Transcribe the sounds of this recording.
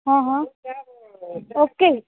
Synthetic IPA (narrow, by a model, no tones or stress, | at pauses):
ɦãɦã | oːke